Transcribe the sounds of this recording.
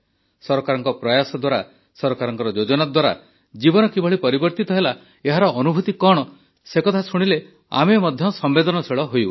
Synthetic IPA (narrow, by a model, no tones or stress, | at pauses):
sɔɾɔkaɾɔŋkɔpɾɔjasɔd̪waɾa | sɔɾɔkaɾɔŋkɔɾɔd͡ʒod͡ʒɔnad̪waɾa̰ | d͡ʒibɔnɔkibɔɭipɔɾibɔɾt̪it̪ɔɦela | eɦaɾɔʔːnubʱut̪ikɔɽ̃ɔ | sekɔt̪ʰasuɽ̃ile | a̰memɔd̪ʱjɔsɔmbed̪ɔnɔseɭɔɦoju